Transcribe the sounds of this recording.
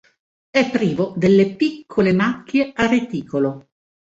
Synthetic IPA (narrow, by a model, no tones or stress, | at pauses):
ɛpːɾiːvod̪elːepikʰːolemakːjeaɾet̪iːkolo